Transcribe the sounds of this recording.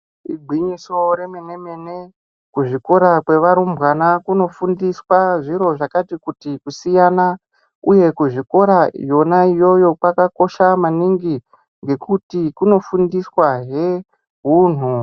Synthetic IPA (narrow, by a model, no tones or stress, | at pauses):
iɡʱwiɲiso̞ɾe̞meneme̞ne̞ | kuʐiko̞ɾakwe̞ʋaɾumbwanakuno̞fundiswaʐiɾo̞ʐakatikutikusijana | uje̞kuʐiko̞ɾa̰jo̞naijo̞jo̞kwakako̞ʃamaniŋɡi | ŋɡe̞kutikuno̞fundiswaɦe̞ | ɦuːn̤u